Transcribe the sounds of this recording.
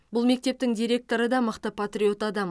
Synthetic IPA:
bʊlˠme̞k̚t̪e̞p̚t̪ɪŋd̪ijɾe̞k̚t̪o̞ɾəd̪ɑməqt̪əpʰat̪rʲio̞t̪ad̪ɑm

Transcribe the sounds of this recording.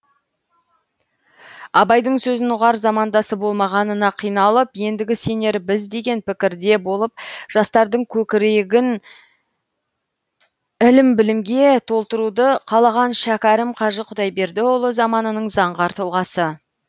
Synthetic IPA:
ɑbɑjd̪əɴsɵzɪnʊʁɑɾzɑmɑnd̪ɑsəbolˠmɑʁɑnənɑqʰijnɑlˠəpje̞nd̪ɪɡʲɪse̞ne̞ɾbɪzd̪e̞ɡʲe̞npɪkʲɪɾd̪e̞bo̞lˠəp̚ʒ̥ɑst̪ɑɾd̪əɴkʲʰɵkʲɪɾe̞ɡʲɪn | ɪlɪmbɪlɪmɡʲe̞t̪ʰo̞lˠt̪əɾud̪əqʰɑlˠɑʁɑnʃækʲæɾɪmqʰɑʒəqʰʊd̪ɑjbe̞ɾd̪ɪwo̞lˠəzɑmɑnənəɴzɑɴʁɑɾt̪ʰolˠʁɑsə

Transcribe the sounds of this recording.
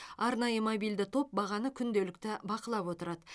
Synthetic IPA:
ɑɾnɑjəmobijld̪ɪt̪ʰo̞p̚bɑʁɑnəkʲʰʏnd̪e̞lɪk̚t̪ɪbɑqəlˠɑpwo̞t̪əɾɑd̪ə

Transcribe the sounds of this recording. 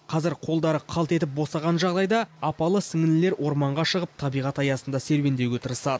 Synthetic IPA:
qʰɑzɪɾqʰo̞lˠd̪ɑɾəqʰɑlˠt̪e̞t̪ɪp̚bo̞sɑʁɑnʒɑʁd̪ɑjd̪ɑɑpɑlˠəsɪŋɪnɪle̞ɾwʔo̞ɾmɑɴʁɑʃəʁəp̚t̪ʰɑbijʁɑt̪ɑjɑsənd̪ɑse̞ɾwe̞nd̪e̞wɡʲet̪ʰəɾəsɑd̪ə

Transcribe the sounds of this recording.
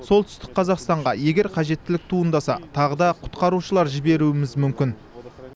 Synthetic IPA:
so̞lˠt̪ʰʏ̥st̪ɪk̚qʰːɑzɑqst̪ɑɴʁɑje̞ɡʲe̞ɾqʰɑʒe̞t̪ːɪlɪk̚t̪ʰuənd̪ɑsɑ̰t̪ʰɑʁəd̪ɑqʰʊ̥t̪qɑɾuʃəlˠɑɾʒɪbe̞ɾuɪmɪzmʏmkʲɪn

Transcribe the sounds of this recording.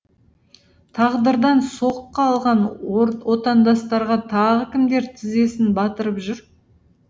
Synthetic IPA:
t̪ʰɑʁd̪əɾd̪ɑnsoqːɑːlˠʁɑnwo̞t̪ɑnd̪ɑst̪ɑɾʁɑt̪ʰɑʁəkʲɪmd̪e̞ɾt̪ʰɪze̞sɪnbɑt̪əɾəpʒʏɾ

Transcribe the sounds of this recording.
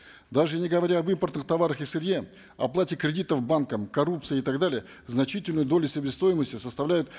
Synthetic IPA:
d̪aʐɨnʲɪɡəvɐɾʲaɐbɨmpərt̪nɨxt̪ɐvaɾəxɪsɨɾʲje | ɐ̰plˠatʲɪkɾʲɪdʲit̪əvbankəmkɐɾupt̪sɨjɪɪt̪aɡd̪alʲɪjə | znɐt͡ɕitʲɪlʲnʊjʊd̪o̞lʲʊsʲəbʲɪst̪o̞jɪməsʲtʲɪsəst̪ɐvlʲæjʊt̪

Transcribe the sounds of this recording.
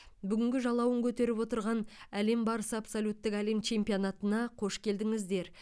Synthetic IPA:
bʏɡʲɪŋɡʲɪʒɑlˠɑwəŋkʲʰɵt̪e̞ɾɪpwo̞t̪əɾʁɑnæle̞mbɑɾəsəapsolʲut̪ːɪkæle̞mt͡ʃʰe̞mpijonat̪ənɑqʰo̞ʃkʲʰe̞ld̪ɪŋɪzd̪e̞ɾ

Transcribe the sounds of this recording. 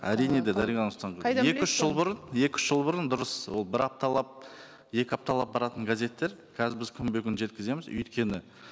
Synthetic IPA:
æɾijne̞d̪ed̪æɾijɑnʊst̪ɑɴq̪ekʏʃʒəlˠbʊɾənje̞kʲʏ̥ʃʒ̥əlˠbʊɾənd̪ʊɾəswo̞lˠbɪɾɑp̚t̪ɑlˠɑp̚ | je̞kʲɪɑp̚t̪ɑlˠɑp̚bɑɾɑt̪əŋɡazʲe̞t̪ːe̞ɾkʲʰæzɪbɪzkʲʰʏmbeɡʲɪnʒe̞t̪̚kʲɪze̞mɪzʏ̰jt̪kʲe̞nɪ

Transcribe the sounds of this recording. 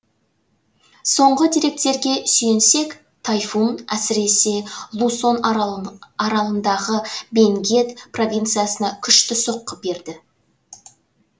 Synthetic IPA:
so̞ɴʁəd̪ijɾe̞k̚t̪e̞ɾɡʲe̞sʏje̞nse̞k | t̪ʰajfunæsɪɾe̞se̞lˠuso̞n | ɑɾɑlˠənd̪ɑʁəbe̞ŋɡʲe̞t̪pʰro̞vʲint̪sɨjasənɑkʲʰʏʃt̪ɪso̞qːəbe̞ɾd̪ɪ

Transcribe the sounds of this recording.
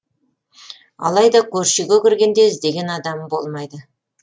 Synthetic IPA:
ɑ̰lˠɑjd̪ɑkʲʰɵɾʃɪɡʲkʲɪɾɡʲe̞nd̪e̞zd̪e̞ɡʲe̞nɑd̪ɑmbo̞lˠmɑjd̪ə

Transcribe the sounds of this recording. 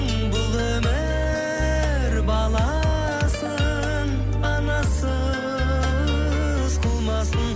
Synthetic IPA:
ŋ | bʊlˠemɪ | ɾbɑlˠɑ | sə | n | ɑnɑsə | ʊsqʰəlˠmɑsən

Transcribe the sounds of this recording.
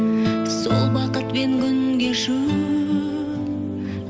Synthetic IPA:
so̞lˠbɑqət̪pe̞ŋkʲʰʏnɡʲeʒu

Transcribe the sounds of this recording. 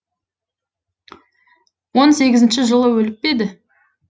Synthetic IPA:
wo̞nse̞ɡʲɪzɪnʃɪʒəlˠəwɵlɪp̚pe̞d̪ɪ

